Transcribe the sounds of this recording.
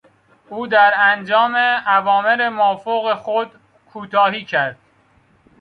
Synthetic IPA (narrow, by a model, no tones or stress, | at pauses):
ʔuːd̪æɾænd͡ʒɒːmeævɒːme̞ɾemɒːfoɣexod̪ | kʰuːt̪ʰɒːhiːcʰæɾd̪̥